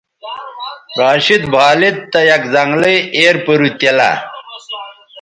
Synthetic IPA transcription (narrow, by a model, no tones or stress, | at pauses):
ɾaːɕit̪bʱaːlit̪t̪ːɐjɐkd͡zaŋɡleeːɾpəɾut̪ɐla̰